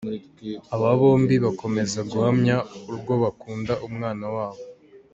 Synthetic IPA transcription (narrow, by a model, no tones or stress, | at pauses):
aβaβo̞ːmbiβako̞me̞zaɡuhamɲauɾɡo̞βakuːndaʔumŋaːnawaːβo